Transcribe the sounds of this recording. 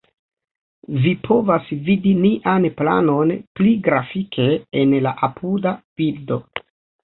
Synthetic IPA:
vipʰo̞vasvidiniʔanpla̰no̞npliɡɾafikʰe̞enlaʔapʰudab̥ildo̞

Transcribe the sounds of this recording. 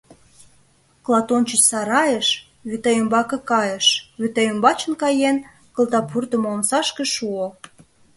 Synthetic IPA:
klˠɑt̪ont͡ɕət͡ɕsɑɾɑjəʃ | βyt̪ɑjømbɑkɤ̆kɑjə̆ʃβyt̪ɑjømbɑt͡ɕə̆nkɑjen | kə̆lt̪ɑpʰurt̪ə̆momsɑʃkeʃuo

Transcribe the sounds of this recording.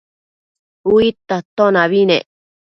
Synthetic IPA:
uit̪ːat̪onaβinḛ

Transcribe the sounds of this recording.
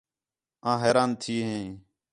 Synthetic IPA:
ãːɦeːɾaːnt̪ʰiːɦẽː

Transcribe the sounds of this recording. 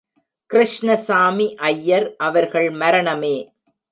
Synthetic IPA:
kɪɾɪʂɳɐsaːmiʔɐjːɐɾʔɐʋɐɾɣɐɭmɐɾɐɳɐmeː

